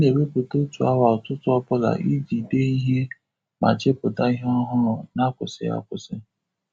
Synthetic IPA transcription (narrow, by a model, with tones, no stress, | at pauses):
ne˨we˦bʊ˨to˦tu˨a̰˦wa˨tʊ˦tʊ˦ɔ˦pʊ˦la̰˨ʔi˦d͡ʒi˨de˦i˦ɦe˦ | ma̰˨t͡ʃɪ˦pʊ˨da˦ɦɔ˦ɦʊ˦˨na˦kʷʊ˨sɪ̰˨˦a̰˦kʷʊ˨sɪ˦